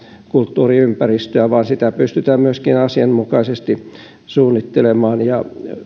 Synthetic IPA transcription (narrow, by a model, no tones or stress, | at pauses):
kult̪ːuːriympærist̪øæʋɑːnsit̪æpyst̪yt̪æːmmyøskinɑsiɑnmukɑisest̪i | suːnːit̪ːelemɑːnjɑ